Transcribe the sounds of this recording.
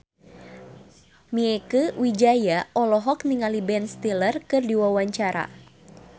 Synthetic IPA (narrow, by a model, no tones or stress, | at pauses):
miɛkəwid͡ʒajaʔɔlɔɦɔkniŋalibɛnst̪ilərkɨrdiwawaɲt͡ʃaɾa̰